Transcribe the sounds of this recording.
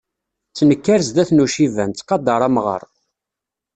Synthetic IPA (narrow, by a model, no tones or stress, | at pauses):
t͡sːnəkːæɾzd̪æθnuʃivænt͡sːqɑd̪ɑɾˤɑmʁə̰ɾˤ